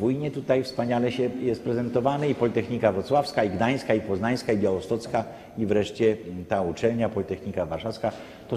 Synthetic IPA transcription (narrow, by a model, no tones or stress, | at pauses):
vujɲɛt̪ut̪ajfspaɲalɛɕɛjɛst̪̚pɾɛzɛnt̪ɔvanɛipɔlʲit̪ɛxɲikavɾɔt̪swafskaiɡd̪aj̃skaipɔznaj̃skaibjawɔst̪ɔt̪ska | ivɾɛʂt͡ɕɛt̪aut͡ʂɛlɲapɔlʲit̪ɛxɲikavaɾʂafska | t̪ɔ